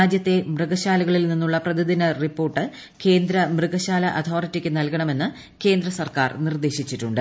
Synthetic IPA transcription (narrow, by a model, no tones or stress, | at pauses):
aːd͡ʑjɐt̪ːe̞mrɨɡɐɕaːlɐɣɐɭilninːuɭːɐprɐd̪id̪inɐripːo̞ːrʈːɨ | ke̞ːnd̪ɾɐmrɨɡɐɕaːlɐʔɐt̪ʰo̞ːritːikʲːɨnɐlkɐɳɐme̞nːɨ | ke̞ːnd̪ɾɐsɐrka̰ːrnird̪e̞ːɕit͡ɕːiʈːuɳɖɨ